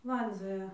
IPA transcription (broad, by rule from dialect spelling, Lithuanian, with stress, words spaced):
ˈlˠɐnʲd͡zʲoːjɛ